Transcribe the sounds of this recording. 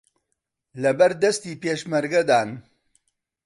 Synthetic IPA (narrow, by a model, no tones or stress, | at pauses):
lɐbɐɾd̪ɐst̪iːpeːʃmɐɾɡɐd̪aːn